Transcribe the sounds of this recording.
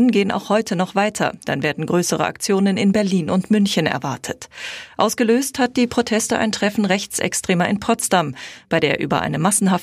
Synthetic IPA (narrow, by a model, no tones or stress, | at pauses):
ənɡeːəna̰ʊxhɔʏtʰənɔχv̥aɪtʰɐ̰d̥a̰nveːɐdn̩ɡʁøːsəʁə̰ʔa̰k̚t͡sjoːnənɪnbɛɐliːnʊntmʏnçənɛ̰ɐvaɐtʰətʔaʊsɡ̥əløːsthat̚d̥iːpʁ̥otʰɛstəʔa̰ɪntʁ̥ɛfn̩ʁɛçt͡sɛ̰kstʁ̥eːmɐɪnpʰɔstamb̥aɪdeːɐʔy̰ːbɐ̰ʔa̰ɪnəmasn̩ɦaf